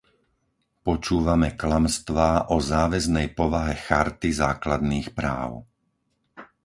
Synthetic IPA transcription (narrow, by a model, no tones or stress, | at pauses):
pɔt͡ʃuːʋamɛklamst̪ʋaːʔɔzaːʋɛznɛjpɔʋaɦɛxaɾt̪izaːklad̪niːxpɾaːʊ